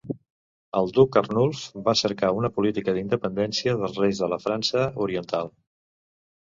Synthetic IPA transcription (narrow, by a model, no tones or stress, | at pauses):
əlˠd̪ukərnulˠfbasəɾkaunəpulit̪ikəðind̪əpənd̪ɛnsiəðəlˠzrejzðələfɾansəuɾiənt̪alˠ